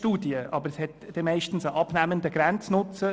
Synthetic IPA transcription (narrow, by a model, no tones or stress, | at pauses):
tuːdiəʔɑbəɾshɛtd̥emɛɪʃtn̩səʔɑb̥næmənd̪əɡ̥ɾɛnt͡snʊt͡sə